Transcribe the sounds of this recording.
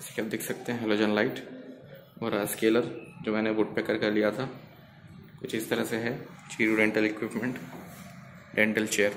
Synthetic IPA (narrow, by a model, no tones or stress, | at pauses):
skiɐb̚d̪ɪkʰsɐk̚t̪eɦɛ̃ɦɛloːd͡ʒənlaːɪʈ | ɔːɾaskeːləɾd͡ʒoːmɛ̃ːnebuːʈ̚peːkəɾkɐɾlijat̪ʰa | kʊt͡ʃʰɪst̪ɐɾəseɦɛ | t͡ʃiːɾuɖẽɳʈəlɪkwɪpmẽɳʈ | ɖẽɳʈəlt͡ʃeːjəɾ